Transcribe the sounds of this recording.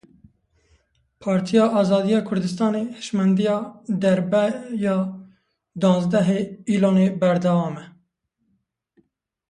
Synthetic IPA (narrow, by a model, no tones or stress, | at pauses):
pʰɑːɾt̪ʰijɑːʔɑːzɑːd̪ijɑːkʰʊɾd̪ɨst̪ɑːneːhɪ̥ʃmɛnd̪ijɑːd̪ɛɾbɛjɑː | d̪ɑ̃ːnzd̪ɛɦeːiːloːneːbɛɾd̪ɛwɑːmɛ